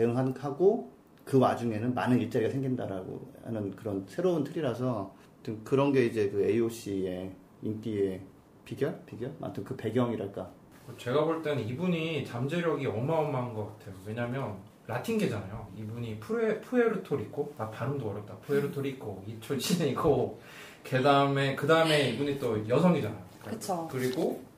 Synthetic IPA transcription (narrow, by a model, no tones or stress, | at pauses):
teɯŋɦahaɡo | kɯwad͡ʑuŋe̞nɯnmanɯniɭt͡ɕ͈aɾiɡasʰe̞ŋɡindaɾaɡo̰a̰nɯnkɯɾʌnsʰe̞ɾountʰɯɾiɾas̬ʰʌ | tʰɯmkɯɾʌnɡe̞id͡ʑe̞kɯe̞ioɕ͈ie̞ | int͈ie̞ | piɡjʌɭpiɡjʌɭma̰ntʰɯnkɯpe̞ɡjʌŋiɾaɭk͈a | kɯt͡ɕe̞ɡaboɭt͈e̞nɯnibuɲit͡ɕamd͡ʑe̞ɾjʌɡiʌmaomːannɡʌk͈atʰe̞jowe̞ɲamjʌn | ɾatʰiŋɡed͡ʑanajoibuɲipʰuepʰueɾɯtʰoɾik͈ʰoapaɾɯmdoʌɾjʌp̚t͈apʰueɾɯɭtʰoɾik͈ʰoit͡ɕʰod͡ʑineiɡo | kedaɯme̞kɯdaɯme̞ibuɲit͈ojʌsʰʌŋid͡ʑanajot͡ɕʰokɯɾiɡo